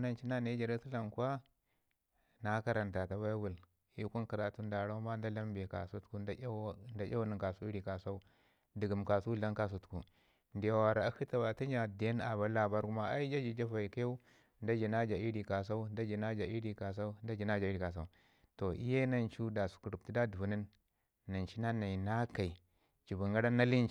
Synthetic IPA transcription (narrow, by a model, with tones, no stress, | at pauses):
na˦nt͡ʃi˦na˦na˦d͡ʒa˨ɾa˦sa˦la˨mkwa˦ | na˦ka˦ɾa˨nta˨ta˨ba˦wu˨l | i˦ku˦nka˨ɾa˨tu˦nda˨ɾa˦u˦ma˦n˦da˦la˦mbe˨ka̰˨su˦tku˦nda˦jʲa˦wni˨ŋka˨su˦i˦ɾi˨ka˨sa˦u˦ | di˨ɡi˨mka˨su˦la˦ŋka˦s̬u˨tku˨ | ndi˨ja˨wa˨ɾa˨a˦hi˦ta˨wa˨ta˦n˦d͡ʒa˨de˦na˨ba˦la˨ba˦ɾku˦ma˦a˦i˦d͡ʒa˦d͡ʒi˨d͡ʒa˦fa˨i˨ka˦ja˦u˦ | nda˦d͡ʒi˨na˦d͡ʒa˨i˦ɾi˨ka˨s̬a˦u˦da˦d͡ʒi˨na˦d͡ʒa˨i˦ɾi˨ka˨s̬a˦u˦nda˦d͡ʒi˨na˦d͡ʒa˨i˦ɾi˨ka˨s̬a̰˦u˦ | to˨ʔḭ˦je˦na˦nt͡ʃu˦da˨su̥˨ku˨ɾu˨ti˦da˦du˨vu˨ni˦nː | a˨nt͡ʃi˦na˦na˨i˨na˦ka˨i˨ | t͡ʃi˨bu˨ŋɡa˦ɾa˦na˦li˦˨